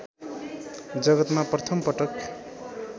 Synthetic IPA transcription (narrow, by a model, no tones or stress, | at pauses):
d͡zʌɡʌt̪maprʌt̪ʰʌmpʌʈʌk